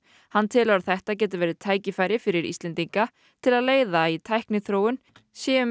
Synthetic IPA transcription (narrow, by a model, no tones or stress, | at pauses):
hanːt̪ʰɪlaɾθɛht̪ac̬ɛːt̪ɪvɛːɾɪt̪ʰaːjcɪfaːjɾɪfɪɾɪɾḭst̪lɛnt̪iŋka | t̪ʰɪlaðleːjðait̪ʰajhknɪθɾoːwʏn | sjɛːʏ